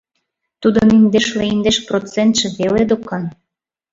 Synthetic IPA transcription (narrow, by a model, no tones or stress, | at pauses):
t̪ud̪onind̪eʃleind̪eʃprot͡sent̪ʃĕβeled̪okɑn